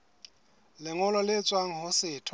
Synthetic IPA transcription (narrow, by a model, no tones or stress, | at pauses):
lɪŋʊlɔlɪt͡sʼwaŋ̩ɦʊsɪːtʰ